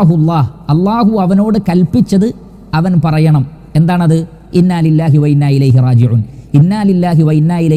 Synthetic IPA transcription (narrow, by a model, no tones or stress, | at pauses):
ɦulˤːɑːhɐlˠˤːaːɦuɐʋɐno̞ːɽɨkɐlpit͡ɕːɐðɨ | ɐʋɐnpɐrɐjɐɳɐm | e̞nd̪aːɳɐðɨ | inːaːlilːaːɦiwɐinːaːilɐjɦirɑːd͡ʑiʕuninːaːlilːaːɦiʋɐinːaːilɐ